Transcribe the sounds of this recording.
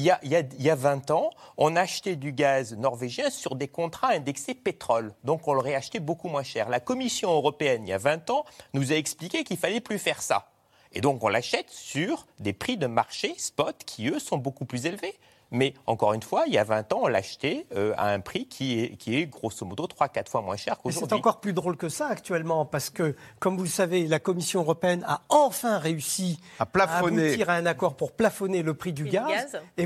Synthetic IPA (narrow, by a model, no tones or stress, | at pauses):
iljaʔijailjavɛ̃t̪ɑ̃ɔ̃naːʃt̪ed̪yɡaznɔʁveʒjɛ̃syʁd̪ekɔ̃t̪χaɛ̃d̪ɛksepet̪χɔld̪ɔ̃kɔ̃lɔʁɛaʃt̪ebokumwɛ̃ʃɛːʁlakɔmisjɔ̃øʁɔpeɛnilja̰vɛ̃t̪ɑ̃nuzaɛksplikʲekilfalɛplyfɛʁsa̰ | ed̪ɔ̃kɔ̃laʃɛt̪syʁd̪epχid̪əmaʁʃespɔt̪kʲʰiøsɔ̃bokuplyzelve | mɛɑ̃kɔʁynfwailja̰vɛ̃t̪ɑ̃ɔ̃la̰ʃt̪eøa̰ɛ̃pχikʲʰiɛkʲʰiɛɡʁosɔmɔd̪ot̪χwakat̪χfwamwɛ̰̃ʃɛʁkosɛt̪ɑ̃kɔʁplyd̪ʁolkəsaːkt̪ɥɛlmɑ̃paʁsə̥kəkɔmvuləsavelakɔmisjɔ̃øʁɔpeɛna̰ɑ̃fɛ̃ʁeysi | aplafːɔnueiʁɛ̃nakɔʁpuʁplafɔneləpχid̪yɡazze